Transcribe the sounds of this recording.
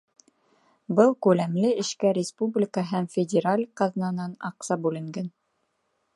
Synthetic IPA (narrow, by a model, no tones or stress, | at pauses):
bɤlˠkʉlæmlɘɘ̆ʃkæɾʲɪspublʲɪkɑɦæmfʲɪdʲeɾalʲqɑðnɑnɑnɑ̰qsɑbʉlɘ̆ŋɡæn